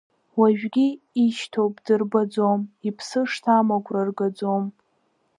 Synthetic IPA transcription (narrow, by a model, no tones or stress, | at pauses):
waʒᶣɡʲi | iʃtʰowpʼdɨrbad͡zomipʰsɨʂtʰamakʷʰʼrarɡad͡zom